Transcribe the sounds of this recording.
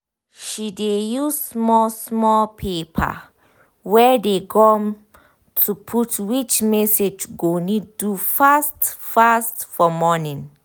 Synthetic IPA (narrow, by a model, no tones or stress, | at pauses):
ʃidejuzsmɔsmɔlpʰepʰa̰ | wɛdekʰɔ̃m | tʰupʰutwit͡ʃmɛsed͡ʒɡonidufastfastfɔmɔnĩn